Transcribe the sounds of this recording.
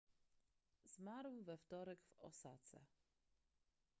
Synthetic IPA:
z̥maɾwvɛft̪ɔɾɛɡvɔ̰sa̰t̪sɛ̰

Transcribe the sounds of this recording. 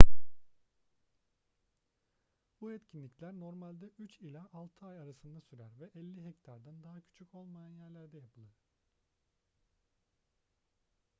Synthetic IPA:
buɛt̪cʰinlʲiclʲæɾno̞ɾmalʲd̪ɛʔyt͡ʃilʲaʔalˠt̪ʰɯajaɾasɯnd̪asyɾæɾvɛʔɛlʲːiɦɛct̪ʰaɾd̪and̪aɦacʰy̥t͡ʃʰycʰo̞lˠmajanjæɾlʲæɾd̪ɛjapʰɯlˠɯɾ̥

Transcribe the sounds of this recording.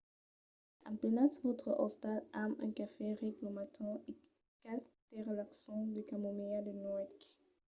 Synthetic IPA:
ɑ̰̃plenasvɔt̪χəʔɔst̪alamɛ̰̃kafeʁɛklomat̪ʰɔ̃e | kalt̪ɛʁlaksɔ̃d̪əkamomead̪ənɔɛt̪k

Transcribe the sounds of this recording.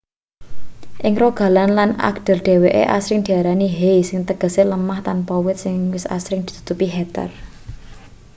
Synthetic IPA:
ʔɪŋroɡ̥a̤lanlana̰ɡd̪̥ə̤rɖ̪̥e̤weʔḛʔa̰sɾɪŋd̪̥i̤aɾaniɦejsɪŋt̪əɡ̥ə̤seləmaht̪anpɔwɪt̪̚sɪŋwɪsa̰sɾɪŋd̪̥i̤̥t̪u̥t̪upiɦɛt̪ɛ̰r

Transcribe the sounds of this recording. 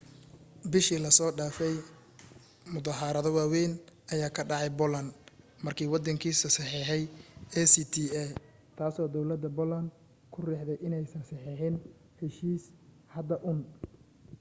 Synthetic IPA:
bɪʃiːlɐsɔːɖaːfɛj | mʊðɐɦɐɾɐðɔwaːwɛːnʔɐjaːkʰɐɖɑʕɑjbɔlɐn | mɐrkʰiːwɑd̪ɐŋkʰiːsɐsɑħiːħɛjɛsit̪ʰiɛ | t̪ʰaːsɔːd̪ɔwlɐd̪ɐbɔlɐn | kʰʊrɛːħd̪ɛjʔɪnɛjsɐnsɑħiːħɪn | hɛʃiːs | hɐd̪ɐʔʊn

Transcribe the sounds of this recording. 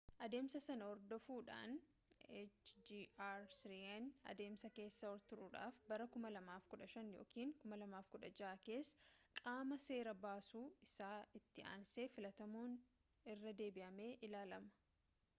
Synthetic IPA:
ʔɐd̪e̞ːmsɐsɐnɐɔɾd̪ɔfuːᶑa̰ːn | et͡ʃd͡ʒiːaɾsɾiɛnɐ̰d̪e̞ːmsɐke̞ːsːɐɔɾt̪ʊɾuːᶑa̰ːfbɐɾɐkʊmɐlɐmaːfkʊᶑɐʃɐnjo̞̰ːkiːŋkʊmɐlɐmaːfkʊᶑɐd͡ʒaːke̞ːsːkʼaːmɐse̞ːɾɐbaːsuːɪsaːɪt̪ːɪa̰ːnse̞ːfɪlɐt̪ɐmuːn | ɪrːɐd̪e̞ːbɪʔɐme̞ːʔɪlaːlɐmɐ̥

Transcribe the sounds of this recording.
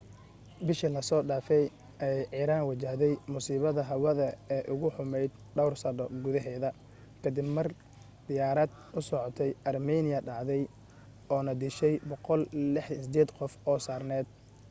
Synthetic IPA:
bɪʃilɐsɔːɖaːfɛj | ʔɛjʕiːɾaːnwɐt͡ʃɐhðɛjmʊsiːβɐðɐɦɐwɐðɐɛːʔʊɣʊħʊmɛjd̪ | ɖɐwrsɐdɔɡʊðɐɦɛːðɐ | kʰɐd̪ɪbmɐr | d̪̥ɪjaːɾɐd̪̚ | ʊsɔʕɔt̪ʰɛjʔɐrmɛːnɪjɐɖɑʕðɛj | ɔːnɐd̪ɪʃɛjbɔqɔllɪħɐsɪd̪ɛːd̪qɔfɔːsaːrnɛːd̪̥

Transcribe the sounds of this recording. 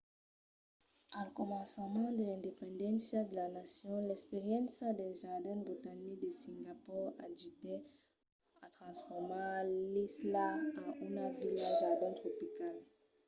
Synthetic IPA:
alkɔmɑ̃samɑ̃d̪əlɛ̃d̪epɑ̃d̪ɑ̃sjad̪əlanasjɔ̃lɛkspeʁjɑ̃nsad̪ɛʒaʁd̪ɛ̃bit̪anik̚d̪əsĩŋɡapuʁa̰dyt̪ɛ | at̪χɑ̃sfɔʁmãlislaaunavilɛ̃ʒaʁd̪ɛ̃t̪χɔpikal

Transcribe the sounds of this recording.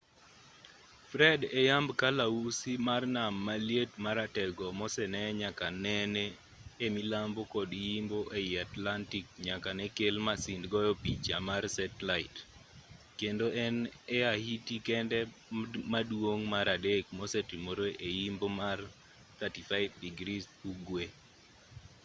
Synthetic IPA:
fɾɛdɛjambkalausimarnamːaljetmaɾatɛɡɔmɔsɛnɛɲakanɛnɛ | emilambokɔdijimboʔeɪatlantik̚ɲakanɛkelmasindɡɔjɔpit͡ʃamarsɛtlaɪt | kendoʔɛnɛahitikɛndɛ | madwoŋmaɾadek̚mɔsɛtimoɾoʔejimbomar | t̪atifaɪt̚diɡɾisuɡwe

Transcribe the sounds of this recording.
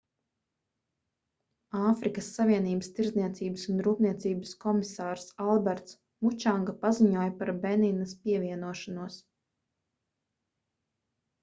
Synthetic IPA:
aːfɾikəsːaviɛniːbəst̪iɾzniɛt̪siːbəsunɾuːpniɛt̪siːbəskɔmisaːɾsalˠbɛɾt̪s | mut͡ʃaŋɡapaziɲuɔjpaɾbeninɐspiɛvʲiɛnuɔʃanuɔs

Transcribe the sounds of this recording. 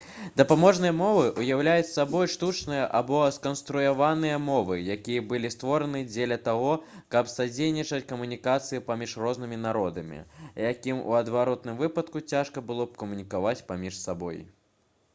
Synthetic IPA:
d̪ɐpamɔʐnɨjɐmɔvɨʔujawlʲajut͡sʲsʲabɔjʂt̪ut͡ʂnɨjɐʔabɔskɐnst̪ɾujavanɨjɐmɔvɨjakʲijɐbɨlʲist̪vɔɾɐnɨd͡zʲelʲɐt̪aɣɔkɐpsad͡zʲejnʲit͡ʂɐt͡sʲkɐmunʲikat̪sɨjipamʲiʂrɔzn̪ɨmʲin̪aɾɔd̪ɐmʲḭjakʲimṵɐd̪vaɾɔt̪nɨmvɨpɐt̪kut͡sʲaʂkɐbɨlˠɔp̚kɐmunʲikavat͡sʲpamʲiʂsabɔ̰j

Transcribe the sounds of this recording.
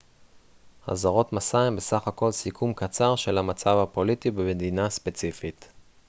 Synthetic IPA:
ha̰zaʁo̞t̪masaembe̞saχako̞lsikʰumkat͡saʁʃe̞lamat͡savhapo̞litibemed̪inaspe̞t͡sifit

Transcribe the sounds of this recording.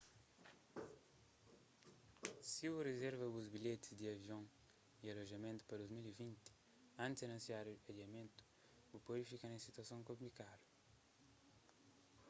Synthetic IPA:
siurezɛɾvɐbuzbiʎet̪i̥zd̪iɐviõŋ | iɐloʒɐmẽnt̪u̥pɐɾd̪uzmilivĩnt̪i̥ | ãnt̪izenɐ̃nsiaɾupɐd̪iɐmẽnt̪u̥ | bupoifikanẽsit̪ɐsõŋkõmplikalu

